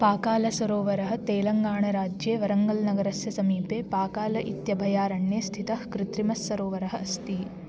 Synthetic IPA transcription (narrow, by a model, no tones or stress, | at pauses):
paːkaːlɐsʋɐɾoːʋɐɾɐɦɐ̆t̪eːlɐŋɡaːɳɐɾaːd͡ʒjeːʋɐɾɐŋɡɐlnɐɡɐɾɐsjɐsɐmiːpeːpaːkaːlɐʔit̪jɐbʱɐjaːɾɐɳjeːst̪ʰit̪ɐɦkɾɪt̪ɾimɐsːɐɾoːʋɐɾɐɦɐ̆ɐst̪i